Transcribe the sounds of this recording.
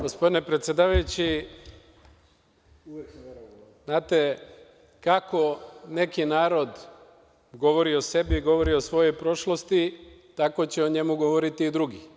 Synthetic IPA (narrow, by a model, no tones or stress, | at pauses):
ɡ̥o̞spo̞d̪ine̞pɾet̪sjed̪aːʋajut͡ɕi | znaːt̪e̞ | kako̞ne̞kinaːɾo̞d̪ | ɡo̞ʋo̞ɾiose̞biːɡo̞ʋo̞ɾiosʋo̞jo̞jpɾo̞ʃlo̞st̪i | t̪ako̞t͡ɕeoɲe̞muɡo̞ʋoɾit̪iːd̪ɾuɡi